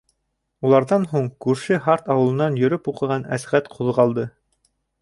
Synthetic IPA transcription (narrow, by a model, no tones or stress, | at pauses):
ulˠɑɾðɑnɦuɴkʉɾʃɘɦɑɾt̪ɑwɤ̆lˠɤ̆nɑnjɵ̆ɾɵpuqɤ̆ʁɑnæ̰sʁæt̪qʰuðʁɑlˠd̪ɤ